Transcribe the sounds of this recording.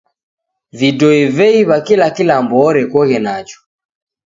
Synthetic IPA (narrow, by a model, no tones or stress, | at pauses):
vidɔivɛiβakilakilambɔɾɛkɔɣɛnat͡ʃɔ̥